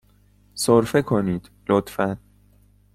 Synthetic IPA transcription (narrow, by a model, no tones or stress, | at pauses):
soɾfekʰoniːd̪̥lot̪fæn